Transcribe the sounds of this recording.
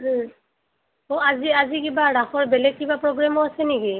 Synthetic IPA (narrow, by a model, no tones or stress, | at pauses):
oaziazikibaɹaxɔɹbɛlɛɡ̚kibapɹɔɡɹamɔasɛniɡi